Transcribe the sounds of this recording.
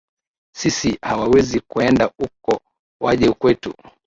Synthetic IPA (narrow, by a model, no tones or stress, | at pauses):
sisihawawɛzikuɛndaukɔ | waʄɛukwɛtṵ